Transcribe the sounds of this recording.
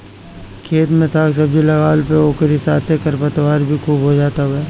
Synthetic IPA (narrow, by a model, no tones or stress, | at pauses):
kʰeːt̪mẽsaːksɐbd͡ʒilɐɣaːlpeoːkəɾisaːt̪ʰekɐɾpət̪waːɾbʱikʰuːbɦod͡ʒaːt̪aɦuɛː